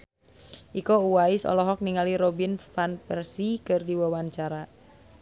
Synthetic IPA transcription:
ʔikouwaisɔ̰lɔɦɔk̚niŋaliɾɔbinfanpɛrsikɨrdiwawaɲt͡ʃaɾa

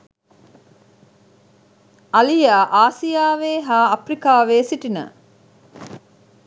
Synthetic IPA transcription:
ɐlijaːʔaːsijaːʋeːɦaːɐprikaːʋeːsiʈinə̰

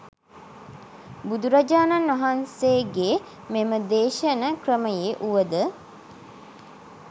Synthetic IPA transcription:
bud̪uɾad͡ʒaːnanʋɐɦanseːɡe | meməd̪eːʃənəkrəməjeʔuʋəd̪ə

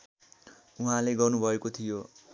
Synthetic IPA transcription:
uɦãleɡʌrnubʱʌekot̪ʰijo

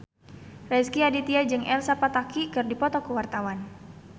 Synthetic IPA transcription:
rɛskiadit̪iad͡ʒɨŋʔɛlsapat̪akikɨrdipɔt̪ɔkəwart̪awan

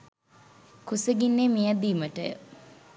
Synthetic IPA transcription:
kusəɡinːemijəd̪iːməʈə̰

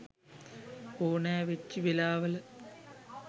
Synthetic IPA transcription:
oːɳaːʋet͡ɕːiʋelaːʋɐlɐ

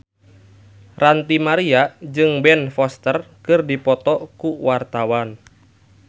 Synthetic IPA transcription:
rant̪imaɾiad͡ʒɨŋbɛnfɔst̪ərkɨrdipɔt̪ɔkuwart̪awan

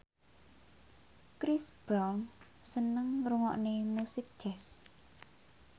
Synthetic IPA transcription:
kɾɪsb̥ɾɔŋ | sənəŋruŋɔ̰ʔnenusɪp̚d̥ʒ̥ɛs

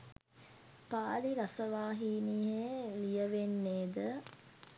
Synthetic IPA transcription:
paːliɾasəʋaːɦiːniɦelijəʋenːeːd̪ə

